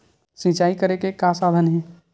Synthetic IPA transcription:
sĩt͡ʃaːikəɾekekasaːd̪ʱənɦɛ

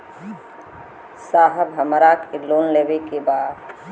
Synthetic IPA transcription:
saːɦəbɦəməɾaːkɪloːnleːʋekebaːd̪

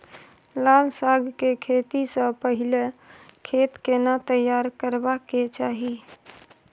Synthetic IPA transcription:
lalsaɡʱkekʰet̪isə̃pəɦilekʰet̪kenat̪əjːaɾkəɾbaket͡ʃaːɦi

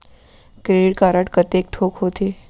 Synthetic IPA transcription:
kɾeːɖɪʈ̚kaɾəʈkət̪eːk̚ʈʰoːkɦoːt̪ʰeː

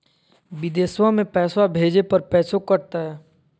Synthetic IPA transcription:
bɪd̪eːswamẽpɛːsabʱeːd͡ʒepɐɾpɛːsokɐɾt̪aɦɛː

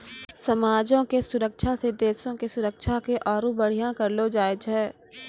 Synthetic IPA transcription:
sɐmaːd͡ʒõkesʊɾəkʃʰased̪eːsõkesʊɾəkʃʰakeʔɔːɾũbɐɽ̤ijãkɐɾlod͡ʒaːɪd͡ʒɦɛː

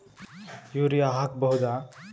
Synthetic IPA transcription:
joɾijaɦak̚bʌɦud̪a

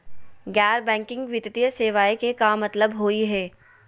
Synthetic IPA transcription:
ɡɛːɾbɛ̃ːŋkɪ̃ŋɡʋɪt̪t̪ijəseːʋaːekekamɐt̪ləbɦoːiɦɛː

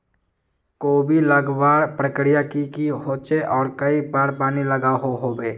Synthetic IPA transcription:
koːbʱiləɡbaːɽpɾəkɾijakikiɦoːt͡ʃeʔɔːɾkəibaːɾpaːniləɡaɦoɦoːbeː

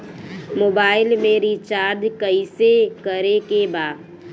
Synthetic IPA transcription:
moːbaːɪlmẽɾit͡ʃaːɾd̪kəisekəɾekebaː

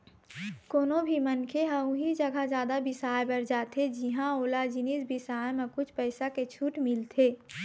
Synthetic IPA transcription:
koːnobʱimənkʰeɦəʊ̃ɦid͡ʒəɡʱad͡ʒjaːd̪abɪsaːjbɐɾd͡ʒaːt̪ʰed͡ʒiɦãoːlad͡ʒɪniːsbɪsaːjmẽkʊt͡ʃʰpəɪsaket͡ʃʰuːʈmɪlt̪ʰeː

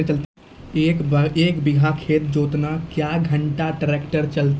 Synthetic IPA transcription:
t͡ʃəlt̪ | ekeːkbɪɡʱakʰeːt̪̚d͡ʒoːt̪nakjaɡʱəɳʈaʈɾekʈəɾt͡ʃəlt̪

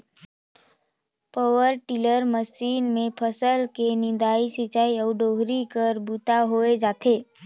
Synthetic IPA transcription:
pəʋəɾʈɪləɾməsiːnmẽpʰəsəlkenɪd̪aːisit͡ʃaːiəʊɖoɦɾikəɾbut̪aɦoed͡ʒat̪ʰe

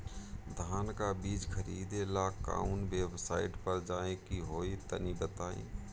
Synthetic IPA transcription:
d̪ʱaːnkabiːd͡ʒkʰəɾiːd̪elaka̰ːunbebsaːiʈpəɾd͡ʒaːekiɦoːit̪ə̰nibət̪aːḛ̃

